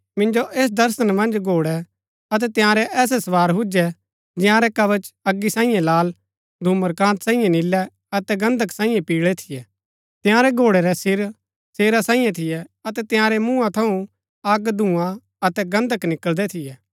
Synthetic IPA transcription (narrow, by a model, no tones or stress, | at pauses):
mɪ̃nd͡ʒoʔeːs̬d̪ɐɾsənmɐ̃nd͡ʒɡʱoːɽɛ | ɐt̪̬ɛt̪ɪ̃jãːɾɛʔɛːs̬ɛsɐʋaːɾɦʊd͡ʒɛ | d͡ʒɪjãːɾɛkɐʋət͡ʃɐɡːisãːĩːjẽlaːl | d̪ʱuːməɾkãːnt̪sãːĩjãnɪlːɛ | ɐt̪ɛɡɐ̃nd̪ʱəksãːĩjãpiːɽɭɛt̪ʰɪjɛ | t̪ɪjãːɾɛɡʱoːɽɛɾɛsɪɾ | seːɾasãːĩjãt̪ʰɪjɛɐt̪ɛt̪ɪ̃jãːɾɛmũːãt̪ʰɐũ | ɐɡd̪ʱũːã | ɐt̪ɛɡɐ̃nd̪ʱəknɪkəld̪ɛt̪ʰɪjɛː